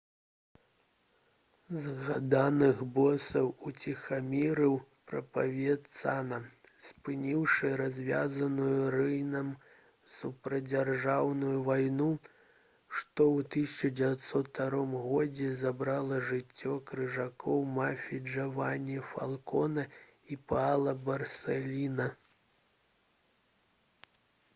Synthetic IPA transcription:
zɣad̪anɨɣbɔsɐwut͡sʲixamʲiɾɨwpɾɐpavʲɛt̪sanɐ | spɨnʲiwʂɨɾazʲvʲazɐnujurɨjnɐm | supɾɐd͡zʲarʐawnujuvajnu | ʂt̪ɔwt̪ɨsʲɐt͡ʂɐd͡zʲɛvʲat̪sɔt̪ːaɾɔmɣɔd͡zʲɛzabɾalˠɐʐɨt͡sʲːɔkɾɨʐakʰɔwmafʲid͡ʐɐvanʲifa̰lˠkɔnɐ | ipalˠɐbɐrsʲɛlʲinɐ

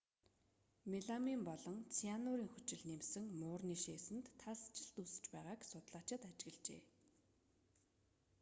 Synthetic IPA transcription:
meɮamiːmpɔɮɞ̆ŋt͡sʰianʊːɾiːŋxɵt͡ɕɪ̆ɮnemsɘ̆ŋmʊːrniːʃeːsɘ̆nt̪ʰːaɮst͡ɕɪ̆ɬt̪usɘ̥̆t͡ɕpæːʁaːksʊt̪ɮaːt͡ɕɪ̆t̪at͡ɕɪ̆ɣɘ̆ɮt͡ɕḛː

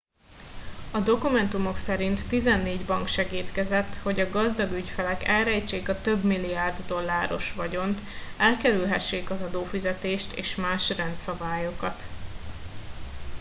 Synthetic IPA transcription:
ɒd̪o̞kumɛnt̪umo̞ksɛɾint̪ːizɛnːeːɟbɒŋkʃɛɡiːt̪kɛzɛt̪ːho̞ɟɒɡɒzd̪ɒɡycfɛlɛkɛlrɛjt͡ʃeːkɒt̪ø̞bmilːijaːrd̪ːo̞lːaːɾo̞ʃʋɒɟo̞nt̪ | ɛlkɛɾylɦɛʃːeːkɒzɒd̪oːfizɛt̪eːʃt̪ḛːʃmaːʃrɛnt̪sɒbaːjo̞kɒt̪

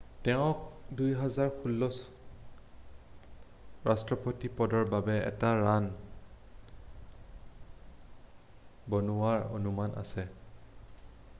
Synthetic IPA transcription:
tɛʊ̃k̚dujɦazaɹxʰulːɔs | ɹastɹɔpotipɔdɔɹbabɛɛ̰taɹan | bonuwaɹo̰numanʔa̰sɛ

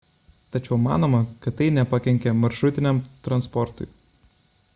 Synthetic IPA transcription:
t̪ɐt͡ʃʲɛʊmɑ̰ːnoːmɐkɐt̪ːɐɪnʲɛpɐkʲɛŋʲkʲɛmɐɾʃɾʊt̪ʲɪnʲɛmt̪ɾɐnspɔɾt̪ʊ̰ɪ

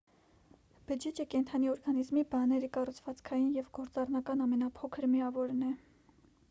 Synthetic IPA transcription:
b̥əd͡ʒɛt͡ʃəkɛnt̪ʰɑniɔɾɡɑnizmibɑnɛɾikɑrut͡sʰvɑt͡skʰɑjinjɛvɡɔɾt͡sɑrnɑkɑnɑmɛnɑpʰɔkʰəɾmiɑvɔɾnɛ

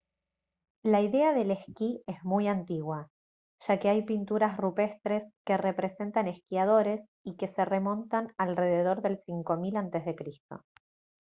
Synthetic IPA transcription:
laiðe̞aðe̞lehkie̞zmujant̪iɣwa | ʒ̥ake̞ajpint̪uɾasrupe̞st̪ɾe̞ske̞re̞pɾe̞se̞nt̪ane̞skiað̞o̞ɾe̞s | ikese̞re̞mõ̞nt̪analre̞ð̞e̞ð̞o̞ɾðe̞lsiŋko̞milant̪e̞zðe̞kɾist̪o̞̰

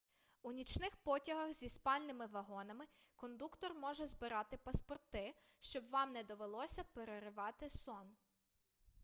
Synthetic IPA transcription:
unʲit͡ʃnɪxpɔtʲɐɦɐxzʲispɑlʲnɪmɪʋɐɦɔnɐmɪkɔnd̪ukt̪ɔrmɔʒɛzbɪɾɑt̪ɪpɐspɔrt̪ɪʃt͡ʃɔbʋɑmnɛd̪ɔʋelˠɔsʲɐpeɾeɾɪʋɑt̪ɪsɔn

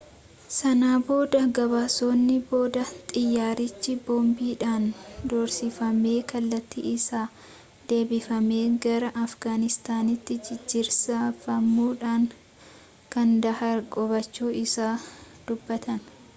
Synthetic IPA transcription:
sɐnaːbo̞ːd̪ɐɡɐβaːso̞ːnːɪbo̞ːd̪ɐt̪ʼɪjːaːɾɪt͡ʃːɪbɔːmbiːᶑaːnd̪ɔːɾsɪfɐme̞ːkɐlːɐt̪ːḭːɪsaː | d̪̥e̞ːbɪfɐme̞ːɡɐɾɐʔɐfɡaːnɪst̪aːnɪt̪ːɪd͡ʒɪd͡ʒːɪɾsafɐmːuːᶑaːŋ | kɐnd̪ɐhɐɾkʼɔβɐt͡ʃːuːɪsaː | d̪̥ʊbːɐt̪ɐn

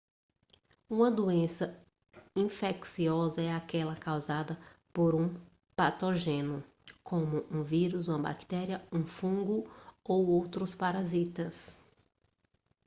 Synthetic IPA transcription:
ũmɐd̪uẽsɐ | ĩfeksiɔzɐɛakɛlɐkawzad̪ɐpoɾũ | pat̪oʒẽnʊ | kʰõmʊʔũviɾuzũmɐba̰kt̪ɛɾiɐũfũɡʊowowt̪ɾʊspaɾazit̪ɐs

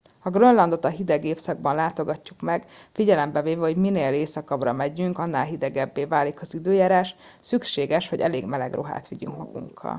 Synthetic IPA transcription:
hɒɡrønlɒnd̪o̞t̪ɒɦid̪ɛɡeːfsɒɡ̚bɒnlaːt̪o̞ɡɒcːukmɛɡfiɟɛlɛmbɛveːvɛɦo̞ɟmineːleːsɒkɒbrɒmɛɟyŋkɒnːaːlɦid̪ɛɡɛbːeːvaːlikɒzid̪øːjaːɾaːʃ | sykʃeːɡɛʃho̞ɟɛleːɡmɛlɛɡrʔo̞̰ɦa̰ːt̪ʋiɟy̰ŋkmɒɡṵŋkʰɒ̰l

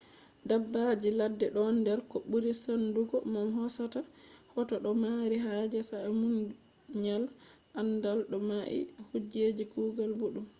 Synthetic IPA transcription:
dabːad͡ʒiladːɛɗɔndɛɾkɔɓuɾisanduɡɔmamɦɔsatahɔtɔɗɔmaɾiɦad͡ʒɛsamun | ɲal | ʔandalɗɔmaʔḭhud͡ʒed͡ʒikuːɡalbuɗum

